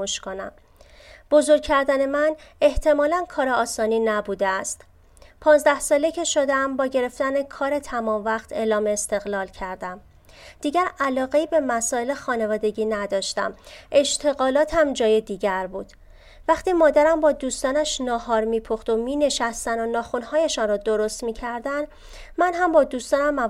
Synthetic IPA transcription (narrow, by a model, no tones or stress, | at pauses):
oʃkʰonæ̰m | b̥o̞zo̞ɾkcʰːæɾd̪æne̞mæne̞ht̪ʰe̞mɒːlænkʰɒːɾeɒːsɒːniːnæbuːd̪eæst̪ | pʰɒːnzd̪æhsɒːlecʰe̞ʃo̞d̪eæmbɒːɟe̞ɾe̞ft̪æne̞kʰɒːɾe̞t̪ʰæmɒːmvæχt̪ʰe̞ːlɒːmeːst̪e̞ɣlɒːlcʰæɾd̪æm | d̪̥iːɟæɾælɒːɣe̞iːbe̞mæsɒːe̞le̞xɒːne̞vɒːd̪e̞ɟiːnæd̪ɒːʃt̪æ̰mʔe̞ʃt̪ʰe̞ɣɒːlɒːt̪ʰæmd͡ʒɒːje̞d̪iːɟæɾbuːd̪̥ | væχt̪iːmɒːd̪æɾæmbɒːd̪uːst̪ɒːnæʃnɒːhɒːɾmiːpʰoxt̪o̞miːne̞ʃæst̪ænonɒːxunhɒːjeʃɒnrɔːd̪oɾo̞st̪miːcʰæɾd̪æn | mænɦæmbɒːd̪uːst̪ɒːnæmːæ